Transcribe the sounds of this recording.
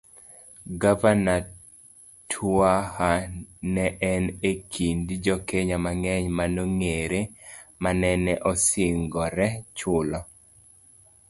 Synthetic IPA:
ɡavana | tʰahanɛʔɛnekʰindid͡ʒɔkeɲamaŋɛɲmanoŋeɾemanɛnɛʔɔsɪŋɡɔɾɛt͡ʃʊlɔ

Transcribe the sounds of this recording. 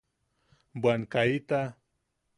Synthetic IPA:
bwaŋkait̪a

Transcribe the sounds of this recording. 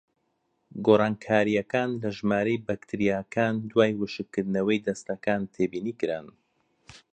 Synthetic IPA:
ɡoːrɑːnkʰaːɾijɐkaːnlɐʒmaːɾejbɐkt̪ʰɨɾijaːkʰaːnd̪waːjwɨʃɨkːɨɾd̪ɨnɐwɐjd̪ɐst̪ɐkaːnt̪ʰeːbiːniːkɨɾa̰n

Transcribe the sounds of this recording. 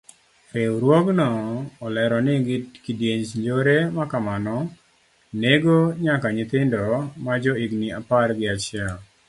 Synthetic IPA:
peɾwɔɡnɔːlɛɾɔnɪɡɪkidjeɲt͡ʃɲd͡ʒoɾemakamanɔ | neɡoɲakaɲɪt̪ɪndɔmad͡ʒɔiɡniaparɡɪat͡ʃɪal

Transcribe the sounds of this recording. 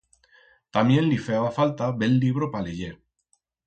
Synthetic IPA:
t̪amjẽ̞nlifeaβafalt̪aβelːiβɾopaleʎe

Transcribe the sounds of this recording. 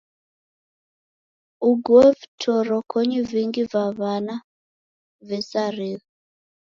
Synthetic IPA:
uɡwɔɛvitʰɔɾɔkʰɔɲiviŋɡivaβana | vɛsaɾiðɔ

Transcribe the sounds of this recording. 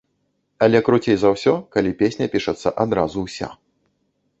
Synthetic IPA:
ɐlʲɛkɾut͡sʲejzɐwsʲɔkalʲipʲesʲnʲɐpʲiʂɐt̪sːɐ̰ʔad̪ɾazuwsʲa̰

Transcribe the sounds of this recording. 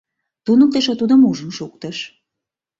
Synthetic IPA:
t̪unək̚t̪eʃot̪ud̪ə̆muʒə̆mʃuk̚t̪əʃ

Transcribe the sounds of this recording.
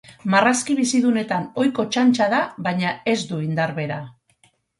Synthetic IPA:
maraskiβ̞isiðune̞t̪ano̞jko̞t͡ʃant͡ʃaðaβaɲae̞zd̪uind̪aɾβe̞ɾa

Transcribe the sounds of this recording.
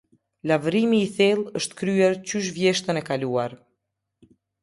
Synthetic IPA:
lavɾimiːθilˠəʃt̪kɾyɛɾcyʃ̬vjɛʃt̪ənɛkaluaɾ

